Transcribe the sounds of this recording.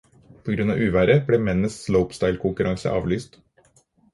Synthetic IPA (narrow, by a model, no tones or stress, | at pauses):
pʰɔɡɾʉnɑːʔʉːʋæɾəbleːmɛnnəsːləʊpst̪ɑɪlkʰʊŋkʉɾʔɑŋsə̰ʔɑ̰ːʋlyːst̪